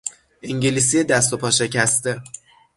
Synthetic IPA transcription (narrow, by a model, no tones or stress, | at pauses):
ʔiŋɟelis̬ied̪æs̬t̪o̞pʰɒːʃe̞cʰæst̪e̞